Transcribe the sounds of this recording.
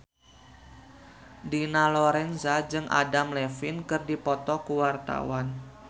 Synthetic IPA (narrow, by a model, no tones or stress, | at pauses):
dinalɔɾɛnzad͡ʒɨŋʔa̰damlɛfɪnkɨrdipɔt̪ɔkuwart̪a̰wan